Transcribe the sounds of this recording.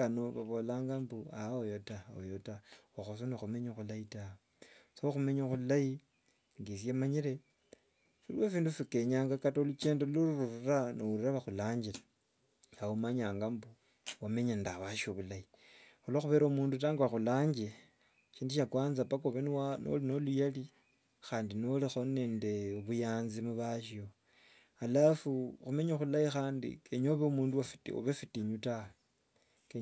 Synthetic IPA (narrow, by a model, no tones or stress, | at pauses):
anoβaβolaːŋɡambuaojotaojotawaxosonoxumeɲoxulaitao | soxume̞ɲoxullaji | ŋɡisjemaɲiɾe̞ | filwefiːndufike̞ɲaːŋɡakatolut͡ʃeːndeluɾuɾuɾuranouɾiɾaβaxulaːɲd͡ʒile | aumaɲaːŋɡambu | wame̞ɲendawaʃioβulai | ulaxuβeɾaumuːndutaːŋɡwaxulaːɲd͡ʒie | ʃiːndiʃakwaːnzapakoβenwano̰lino̞lujali | xaːndinolixone̞ːnde̞oβujaːnzimuβaʃio̞ | alafuxume̞ɲoxulajixaːndḭkeɲoβeumuːnduwafto̰βefitiɲutae | ke